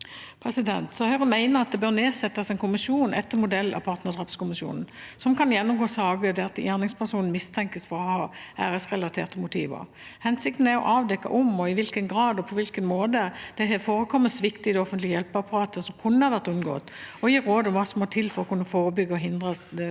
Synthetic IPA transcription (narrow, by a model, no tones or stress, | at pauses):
pʰɾɛsɪd̪ɛnt̪sɔhœʁəmæɪnəʁɑt̪̚d̪ɛbøːʁneːsɛt̪ːəsɛɪnkʰʊmɪʃuːnʔɛ̰t̪ːəmʊd̪ɛlːɑ̰pʰɑːʁt̪nəʁdʁɑːpskʊmɪsjṵːnn̩sɔmkɑnjɛnːʊmɡoːsɑːɡəd̪ɛɑt̪jæːʁnɪŋspʰæʁsuːnn̩mɪst̪ʰɛŋkəsfɔɾɔhɑːæːɾəsʁɛlɑt̪ʰeːʁt̪əmʊt̪ʰḭːʋə̰ | hɛnsɪk̚t̪n̩æʁɔ̰ʔɑːʋd̪ɛkːɑ̰ʔɔmɔɪʋɪlkənɡɾɑːd̪ɔpʰɔʋɪlkənmoːd̪əd̪̥ɛɦɛfoːɾəkʰɔmːəsʋɪkt̪ɪd̪ɛɔfənlɪəjɛlpɑpʰɑʁɑːt̪ʰəsɔmkʰʉnːəhɑʁʋæʁt̪ʉnɡo̰ːt̪ɔjiːɾoːd̪ɔmʋɑːsɔmɔt̪ʰɪlfɔɾɔkʰʉnːəfoːɾəbʏɡːəɔɦɪnd̪ʁəd̪ɛ